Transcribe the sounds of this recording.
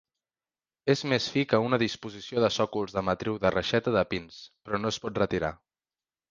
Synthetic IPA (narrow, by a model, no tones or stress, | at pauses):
ezmesfikəunəðispuzisioðəsɔkulˠzðəmət̪ɾiwðərəʃɛt̪əðəpinspɾɔnospɔt̪rət̪iɾa̰